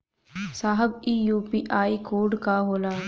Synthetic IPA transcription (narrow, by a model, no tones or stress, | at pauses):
saːɦəbiːjuːpiːʔaːikoːɾɖkaɦoːlaː